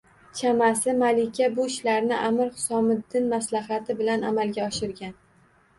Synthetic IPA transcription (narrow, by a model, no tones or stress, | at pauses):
t͡ʃʰamasɪmalɪkʲabʊɪʃlaɾnɪʔamɪɾχʊ̥sɒmɪd̪ːɪnmaslaɦat̪ʰɪbɪlana̰malɡʲaɒʃɪɾɡʲan